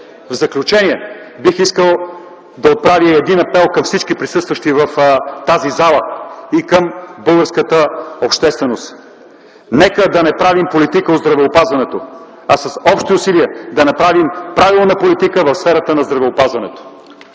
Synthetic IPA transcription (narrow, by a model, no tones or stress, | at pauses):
vzɐklʲut͡ʃɛnʲiɛ | bixiskəlˠ | d̪ɐot̪̚pɾaviɛd̪inɐpɛlˠkɐmfsit͡ʃkipɾisɤst̪vəʃt̪ivɐft̪azizalˠəikəmbɤlˠɡəɾskət̪əopʃt̪ɛst̪vɛnost̪ | nɛkəd̪ɐnɛpɾavimpolit̪ikəot̪zd̪ɾɐvɛopazvɐnɛt̪o | ɐsɐsɔpʃt̪iʊsiliəd̪ɐnɐpɾavimpɾavilˠnəpolit̪ikəvɐfsfɛɾət̪ənɐzd̪ɾɐvɛopazvɐnɛt̪o̥